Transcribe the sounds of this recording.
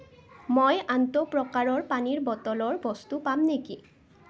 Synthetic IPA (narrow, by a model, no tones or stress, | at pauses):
mojantɔpɹɔkaɹɔɹpaniɹbɔtɔlɔɹbɔst̪upamneki